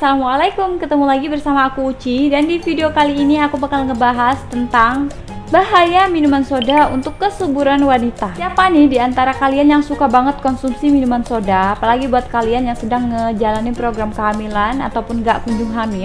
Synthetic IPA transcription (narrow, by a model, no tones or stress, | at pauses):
salamwalakʊmkət̪əmulaɡibərsamaːkuːt͡ʃidandifideokaliːniakubakalŋəbaɦast̪ənt̪aŋ | baɦajaminumansodaunt̪ʊkːəsubuɾanwanit̪asiapanihdiant̪aɾakalianjaŋsukabaŋət̪̚kɔnsumsiminumansodaːpalaɡibuat̪̚kalianjaŋsədaŋːəd͡ʒalanipɾoɡɾamkəɦamilana̰t̪awpʊnɡaʔkuɲd͡ʒuŋɦami